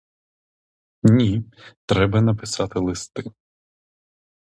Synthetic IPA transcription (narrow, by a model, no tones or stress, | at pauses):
nʲit̪ɾɛbɐnɐpɪsɑt̪ɪlˠɪst̪ɪ